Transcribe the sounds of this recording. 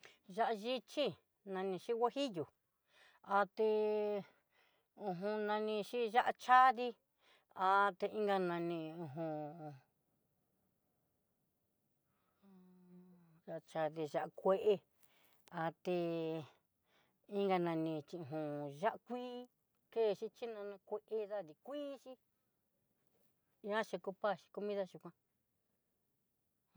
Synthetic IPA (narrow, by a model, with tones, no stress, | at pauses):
ʒa˦ʔa˧ʒi˦˧t͡ʃi˦ | nã˧nĩ˧ʃi˦wa˦hi˦ju˨ | a˧t̪e˧ | ũ˧ɦũ˧nã˧nĩ˧ʃi˦ʒa˦ʔa˧t͡ʃa˦ði˦˧ | a˧t̪e˧ĩ˦ŋɡa˧nã˧nĩ˧ũ˧ɦũ˧ | a˧t͡ʃa˧ði˧ʒa˧ʔa˧kʷe˦ʔe˧ | a˧t̪e˧ | i˦ŋɡa˧nã˧nĩ˧t͡ʃĩ˧ũ˨ɦõ˨ʒa˦ʔkʷiː˦ | ke˦˨˧ʃi˦t͡ʃi˦nã˧nã˧kʷe˧ʔe˧ða˦ði˧kʷiː˦ʃi˦˧˦ | ã˦ʃe˧ku˧pa˦˧˨ʃi̥˧ku˧˦mĩ˦ða˦ʃu˧kʷã˧